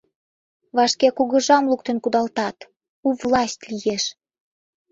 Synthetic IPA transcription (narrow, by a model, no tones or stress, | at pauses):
βɑʃkekuɣə̆ʒɑmluk̚t̪ə̆nkud̪ɑlt̪ɑt̪ | uvlɑsʲt̪ʲlijeʃ